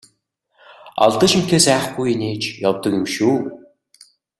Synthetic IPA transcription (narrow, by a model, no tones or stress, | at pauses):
ɔ̰ɮt̪ə̆ʃim̥t̪ʰeːsæːχɡujineːt͡ɕjɔwt̪ɞ̆kɪmʃuː